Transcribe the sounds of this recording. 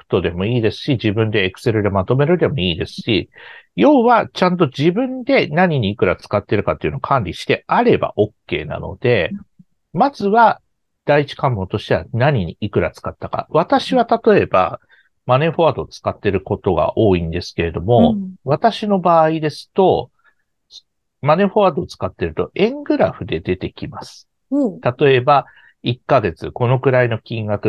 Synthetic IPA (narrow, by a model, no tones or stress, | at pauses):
kɯ̥t̪o̞d̪e̞mo̞iːd̪e̞sɨ̥ɕiʑibɯ̟̃nd̪e̞ːkɯ̟̥se̞ɾɯ̟d̪e̞mat̪o̞me̞ɾɯ̟d̪e̞mo̞iːd̪e̞sɨ̥ɕijo̞ːβat͡ɕãnt̪o̞d͡ʑibɯ̟̃nd̪e̞naɲ̟iɲ̟iːkɯ̟ɾat͡sɨ̥kat̪ːe̞ɾɯ̟kat̪ːeiɯ̟no̞kʰãnɾʲiɕi̥t̪e̞ʔaɾe̞ba̰ʔo̞kːe̞̰ːna̰no̞̰d̪e̞ | mazɨβa | d̪̥ait͡ɕi̥kãmːo̞t̪oɕi̥t̪e̞βa̰naɲ̟iɲ̟iikɯ̟ɾat͡sɨ̥kat̪ːaka̰β̞at̪aɕiβat̪at̪o̞e̞ba̰ | mane̞ɸo̞ad̪o̞t͡sɨ̥kat̪ːe̞ɾɯ̟ko̞t̪o̞ɡa̰ʔo̞ːĩnd̪e̞sɨ̥ke̞ɾe̞d̪o̞mo̞β̞at̪aɕino̞baːid̪e̞sɨ̥t̪o̞ | s | mane̞ɸoad̪o̞ːt͡sɨ̥kat̪ːe̞ɾɯ̟t̪o̞̰ẽ̞ŋɡɯ̟ɾaɸɯ̟d̪e̞d̪e̞t̪e̞kʲimasɨ̥ | t̪at̪o̞e̞ba | ikːaɡe̞t͡sɨko̞no̞kɯ̟ɾaino̞kʲĩŋɡakɯ̟